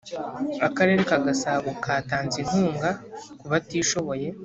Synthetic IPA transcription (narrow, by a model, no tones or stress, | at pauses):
akaɾe̞ːɾekaɡasaβukʰaːtaːnzin̥huːŋɡakuβatiːʃo̞βo̞je̞